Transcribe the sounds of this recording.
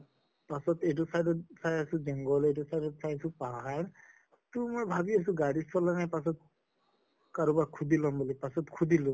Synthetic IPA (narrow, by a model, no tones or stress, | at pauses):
pasɔtejtusajdɔtsajasuzɛŋɡɔlejtusajdɔtsajsupaɦa | tumɔjbʱabias̬uɡaɹispʰɔlanajpas̬ɔt̚ | kaɹubakʰudilɔmbulipasɔtkʰudilɔ